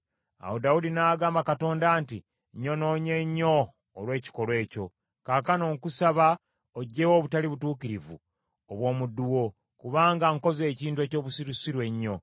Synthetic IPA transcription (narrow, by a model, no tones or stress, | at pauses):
a̰wodaudinaːɡaːmbakato̞ːndaːnti | ɲo̞no̞ːɲe̞ɲːo̞ː | lwe̞ːci̥ko̞lwe̞ːco̞ | kakano̞ːŋkusaβa | oɟːe̞woβutaliβutuːkiɾivṵ | oβwo̞ːmudːuwo̞ | kuβaːŋɡaŋko̞ze̞ːciːntue̞ːco̞ːβusiɾusiɾwe̞ɲːo̞